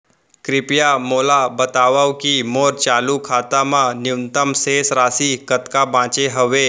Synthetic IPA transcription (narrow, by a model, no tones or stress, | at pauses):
kɾipjamolabət̪aʋawkimoɾt͡ɕalukʰat̪amãnjuwnt̪əmsesɾasikət̪kabãt͡ɕeɦəʋe